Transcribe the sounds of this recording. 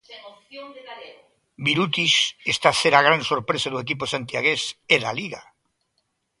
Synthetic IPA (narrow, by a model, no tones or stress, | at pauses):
biɾut̪iʃest̪aseɾaɣ̞ɾansoɾpɾesaðuekip̬osant̪jaɣ̞eseðaliɣa